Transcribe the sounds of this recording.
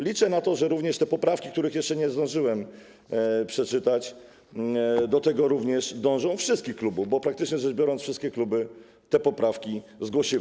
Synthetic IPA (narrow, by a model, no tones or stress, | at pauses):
lʲit͡ʂɛnat̪ɔʐɛɾuvɲɛʂt̪ɛpɔpɾafkʲikt̪uɾɘxjɛʂt͡ʂɛɲɛzd̪ɔ̃w̃ʐɘwɛm | pʂɛt͡ʂɘt̪at͡ɕ | d̪ɔt̪ɛɡɔɾuvɲɛʂd̪ɔ̃w̃ʐɔ̃w̃fʂɘst̪̚kʲixklubuvbɔpɾakt̪ɘt͡ʂɲɛzɛʐbʲjɔɾɔnt̪fʂɘst̪kʲɛklubɘ | t̪ɛpɔpɾafkʲizɡwɔɕiw